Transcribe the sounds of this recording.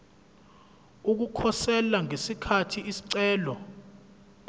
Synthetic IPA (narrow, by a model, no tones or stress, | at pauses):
uk̬ukʰɔsɛlaŋesikʰatʰiisi̥ǀɛːlɔ